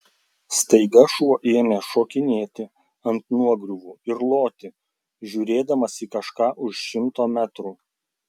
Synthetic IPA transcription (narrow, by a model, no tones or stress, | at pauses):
st̪ɐɪɡɐʃuɔʔeːmʲeːʃoːkʲɪnʲeːt̪ʲɪ | ɐnt̪nuɔɡɾʲʊʋuːɪɾlˠoːt̪ʲɪ | ʒʲuːɾʲeːd̪ɐmɐsʲikɐʃkɑːʔʊʃʃʲɪmt̪oːmʲæt̪ɾuː